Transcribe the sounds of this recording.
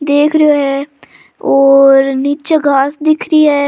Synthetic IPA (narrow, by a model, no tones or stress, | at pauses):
d̪eːkʰɾoɦɛː | oːɾniːt͡ʃəɡʱaːsd̪ɪkʰɾiɦɛː